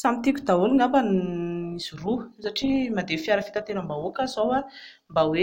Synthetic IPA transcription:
samit̪ikʲud̪aoliŋambaniz̥urusaʈ͡ʂimad̪efiaɾəfi̥t̪at̪eɾəmbaokəzowa | mbawe

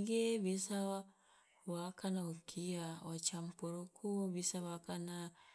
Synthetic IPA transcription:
ɡeβisa | wakanaukʰiaɔt͡ʃampuɾukʰuβisawakana

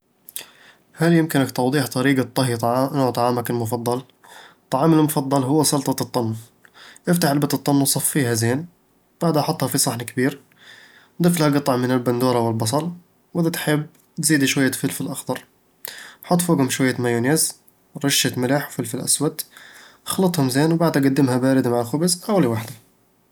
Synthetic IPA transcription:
haljɪmkɪnakt̪ɑwd̪ˤiːħt̪ˤɑɾiːɡat̪ˤːɑɦjnoːʕt̪ˤɑʕaːmakɪlmʊfɑd̪ˤːɑl | t̪ˤːɑʕaːmɪlmʊfɑd̪ˤːɑlɦʊwːasɑlt̪ˤɑt̪ˤːɑnː | ʔɪft̪aħalbat̪ɨt̪ˤːɑnːwsˤɑfːiːhazeːn | b̥aʕd̪ʔɑħʊt̪ˤːhɑfisˤɑħnakbiːɾ | d̪ˤɨflhaɡɑt̪ˤɑʕmɪnɪlband̪uːɾˤɑwɪlbɑs̬ˤɑl | wʔɪd̪at̪ħɪbː | t̪ziːd̪iʃwajːafɪlfɪlʔɑxd̪ˤɑɾˤ | ħʊt̪ˤːfoːɡʊmʃwajːamajunez | ɾɑʃːat̪mɪlaħwfɪlfɪlʔa̰swat̪ | xlɑt̪ˤhʊmzeːnwbaʕd̪haɡad̪ːɪmhabaːɾɪd̪maʕalxʊbɪzʔawliwaħd̪a

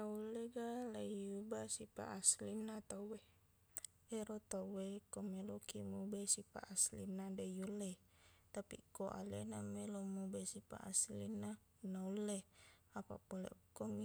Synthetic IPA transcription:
naulːeɡalaijubasipa̰ʔːslinːat̪awwe | eɾot̪awwekomelokimubesipa̰ʔaslinːadajulːe | t̪apḭkoʔa̰lenamelomubesipa̰ʔaslḭnːa | naulːe | apa̰polḛʔukːomi

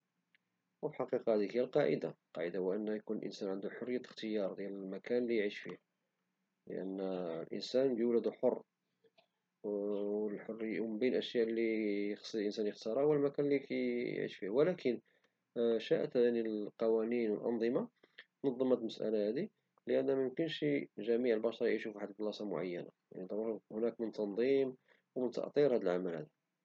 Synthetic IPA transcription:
wfiħɑqiqɑhæd̪ihəjːælqɑʕə̰d̪aqɑʕəd̪awʔənːhæjkunəlʔə̰nsænʕənd̪uħorːəjːæxt̪əjɑɾˤd̪jæləlmækʰænlijʕiʃfih | lə̰ʔə̰nːlʔə̰nsænbjəwlæd̪uħorˤː | wəlħorːəjawməmbinʔəʃjæʔlːijxslʔənsænjəxt̪ɑɾˤæwəlmækænlikæ̰ʕḭʃfihwælækʰən | ʃæʔt̪hæd̪ænilqɑwæninwəlʔɑ̰nd̪ˤəmɑ | t̪nɑd̪ˤːɑmæt̪məsʔæ̰læhæd̪i | ləʔənːæmjʊmkənʃiʒæmiʕəlbɑʃɑɾˤɑjʕiʃufħat̪ːd̪lɑsɑmʊ̰ʕa̰jːænaja̰nid̪ˤɑɾuɾhnækmənt̪ʰɑnd̪ˤim | wmənt̪ə̰ʔt̪ˤiɾhæd̪əlʕamælhæ̰d̪æ

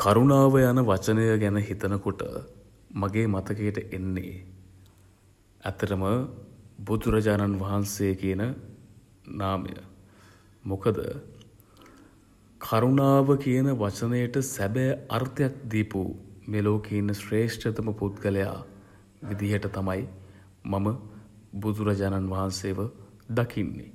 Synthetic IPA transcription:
kaɾunaːʋəjanəʋat͡ʃənəjəɡɛnəɦit̪ənəkoʈə̰ | maɡeːmat̪əkejʈəʔenːḛ | æ̰t̪ːɐʈəmə | bud̪ɾɐd͡ʒaːnanʋɐɦansejəkijənə | naːmə̰jə̰ | mokəd̪ə̰ | kʰaɾunaːʋəkijənəʋat͡ʃənəjəʈəsæbejɐrt̪jak̚d̪ipṵmeːloːkeinːəsreːʂʈət̪əməput̪ɡəleja̰ː | ʋid̪iɦəʈət̪amɐj | maməbud̪uɾɐd͡ʒaːnanʋaɦansejːʋə | d̪akʰinːḭ

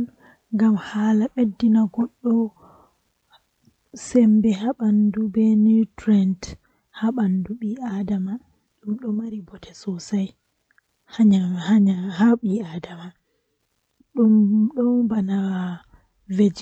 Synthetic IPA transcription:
n | ŋɡamhaːlaɓedːinaɡɔɗːɔ | sɛmbɛhaɓandubɛnitɾɛnt | haɓanduɓiʔadama | ɗumɗɔmaɾibɔtʰɛsɔsaj | haɲahaɲahaɓiadama | ɗumɗɔbanaw | ved͡ʒ

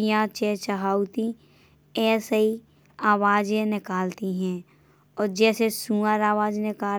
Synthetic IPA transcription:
jãt͡ʃɛːt͡ʃəɦaːut̪i | ɛːsəi | aːʋaːd͡ʒẽnɪkaːlt̪iɦɛ̃ː | ɔːɾd͡ʒɛːsesũːəɾaːʋaːd͡ʒnɪkaː

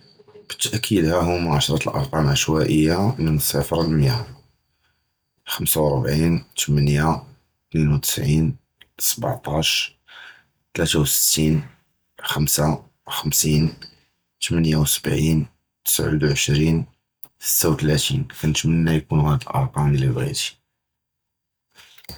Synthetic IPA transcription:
b̥ə̥t̪ːʔəkʰːid̪hæɦʊmʕaʃɾˤɑt̪əlʔɑ̰ɾˤqɑmʕəʃwæʔəjːamənəsˤæfɾˤɑlmja | xəmsawɾˤbʕint̪mənja | t̪ninwt̪ə̥sʕin | sb̰ʕt̪ˤɑʃ | t̪læt̪awsə̥t̪ːin | xəmsa | wxəmsin | t̪mənjawsə̥bʕin | t̪ə̥sʕṵd̪ʕəʃɾin | sə̥t̪ːawt̪læt̪inkænət̪mənːæjkunɣæd̪lʔɑ̰ɾˤqɑmlibɣḭt̪i̥

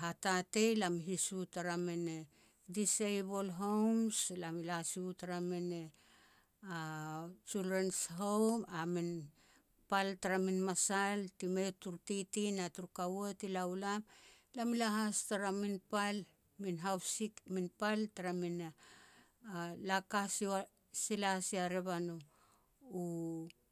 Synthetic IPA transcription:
ɦatate̞jlamɦisutaɾamene | disejbolɦo̞wmslamilasiutaɾamene | at͡ʃuldɾensɦo̞wmamin | paltaɾaminmasaltimetuɾtitinatuɾukawatilaulamlamilaɦastaɾaminpal | minɦawsikminpaltaɾamina | alakasia | silasiaɾeβano | u

